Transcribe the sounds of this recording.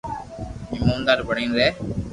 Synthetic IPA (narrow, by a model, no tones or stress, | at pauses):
ɪmũːnd̪aːɾbəɽĩːnd̪eː